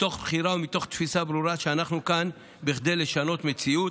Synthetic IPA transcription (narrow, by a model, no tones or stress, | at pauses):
t̪o̞χbχiɾaumit̪o̞χt̪fisabɾuɾaʃeanaχnukan | biχd̪e̞jle̞ʃano̞t̪me̞t͡siu